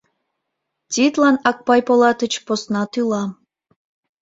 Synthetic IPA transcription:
tʲit̪lɑnɑk̚pɑjpolɑt̪ə̆t͡ɕposnɑt̪ylɑ

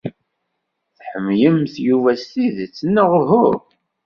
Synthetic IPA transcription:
θħəmːjəmθjuvæst̪iðt͡sːənːəʁɦʊɾ

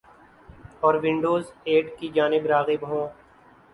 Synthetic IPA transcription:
ɔːɾʋɪ̃ɳɖoːzeːɖkid͡ʒaːnɪbɾaːɣɪbɦõː

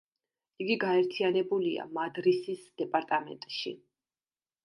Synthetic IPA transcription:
iɡiɡaɛɾt̪ʰianɛbulia̰mad̪ɾisisd̪̥ɛpʼaɾt̪ʼamɛ̰nt̪ʼʃḭ

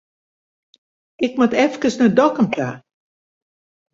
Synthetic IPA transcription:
ɪkmatɛfkəsnədɔkəmtʰa̰ː

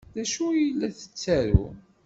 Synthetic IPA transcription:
ðæʃujəlːæθə̥t͡sːæɾṵ

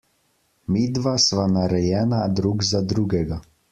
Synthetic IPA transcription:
miːd̪ʋasʋanaɾɛjɛːnad̪ɾuɡzad̪ɾuːɡɛɡa

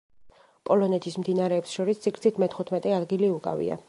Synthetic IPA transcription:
pʼɔlɔnɛt̪ʰismd̪inaɾɛːpsʃɔɾist̪sʰikɾt̪sʰit̪ʰmɛt̪ʰχut̪ʰmɛt̪ʼɛad̪ɡiliukʼa̰vḭa̰

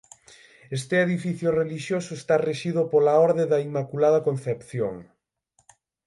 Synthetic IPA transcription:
est̪eeðifiθjʊreliʃjosʊest̪areʃiðʊpolaɔɾðeðɐimakulaðɐkon̟θepθjo̰ŋ

